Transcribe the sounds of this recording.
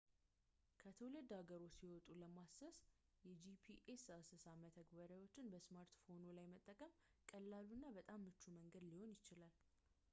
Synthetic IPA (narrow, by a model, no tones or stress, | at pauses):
kʰət̪ʰəwlɨd̪haɡəɾo̞t͡ʃːsiwɔt̪ʼuləmasəs | jɛd͡ʒipʰiʔesasɨsamət̪ʰəɡbəɾawo̞t͡ʃːɪnbəsmaɾt̪fo̞nolajmət̪ʼːəkʼəm | kʼəlːaluɨnːabət̪ʼamːɨt͡ʃːuməŋɡəd̪liho̞njɪt͡ʃɪlal